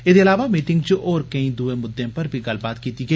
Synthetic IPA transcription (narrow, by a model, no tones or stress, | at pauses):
ɪd̪eɐlaːʋamiːʈɪ̃ŋɡt͡ʃoʔɔːɾkɐĩd̪uːemʊd̪ːẽpɐɾbʱiɡɐlbaːt̪kiːt̪iɡe